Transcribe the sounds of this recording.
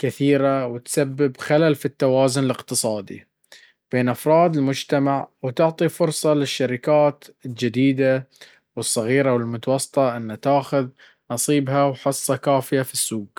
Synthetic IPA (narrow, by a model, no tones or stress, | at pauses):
kɪθiːɾawɪt̪sabːɪbxalalfit̪ːawaːzʊnɪlɪqt̪ɨsˤɑːd̪ḭ | b̥eːnʔɑfɾˤɑːd̪ɪlmʊd͡ʒt̪amaʕwt̪ʊʕt̪ˤifʊɾsˤɑlɪʃːaɾɪkaːt̪ɪld͡ʒɪd̪iːd̪a | wɨsˤːɑɣiːɾawɪlmʊt̪ɑwɑsˤːɨ̥t̪ˤɑʔɪnːat̪aːxʊð | nɑsˤiːbɦawħɨsˤːɑkaːfɪjafisːuːɡ̥